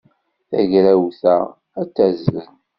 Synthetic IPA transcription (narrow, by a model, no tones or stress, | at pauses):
θæʝɾæwθæ | æt͡sːæzðən